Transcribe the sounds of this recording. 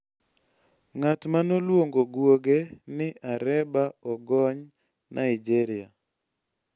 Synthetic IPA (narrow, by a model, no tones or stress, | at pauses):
ŋatmanolwoŋɡoɡwoɡenɪʔaɾɛbaɔɡɔɲ | nʔa̰ɪd͡ʒɛɾɪa